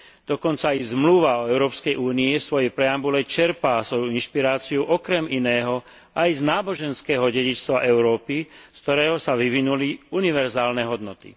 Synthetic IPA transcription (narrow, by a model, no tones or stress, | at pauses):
d̪̥ɔkɔnt͡saizmluʋaɔɛʊɾɔːpskɛjʔuːniɛsʋɔjɛpɾɛambulɛt͡ʃɛɾpaːsʋɔjuinʃpiɾaːt͡siuʔɔkɾɛminɛːɦɔ | ʔajznaːbɔʒɛnskɛːɦɔɟɛɟit͡ʃst̪ʋaʔɛʊɾɔːpiskt̪ɔɾɛːɦɔsaʋiʋinuliuniʋɛɾzaːlnɛɦɔd̪nɔt̪ḭ